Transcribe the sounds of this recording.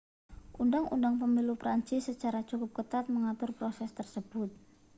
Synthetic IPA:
ʔundaŋṵndaŋpəmilupɾaɲt͡ʃɪsːət͡ʃaɾat͡ʃukʊp̚kət̪at̪̚məŋat̪ʊrpɾosɛst̪ərsəb̥ʊt̪̚

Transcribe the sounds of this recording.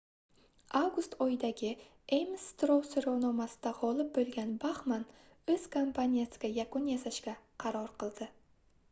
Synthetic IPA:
awɡʊst̪ʰɒjɪd̪aɡʲɪ | emst̪ɾowsoɾownɒmasɪd̪aʁɒlˠɪp̚bolˠɡʲanbaχman | ɵz̥kʰompʰanʲijasɪɡʲajakʊnjasaʃɡʲaqʰɑɾɒɾqɨlˠd̪̥ɪ

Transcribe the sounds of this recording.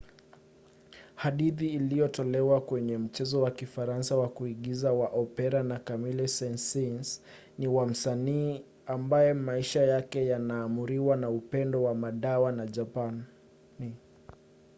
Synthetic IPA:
haɗiðiːlijɔtɔlɛwakwɛɲɛm̩t͡ʃɛzɔwakifaɾansawakuiɠizawaʔɔpɛɾanakamilɛsɛnsins | niwam̩saniː | ambajɛmaiʃajakɛjanaːmuɾiwanaupɛndɔwamaɗawanaʄapan | i

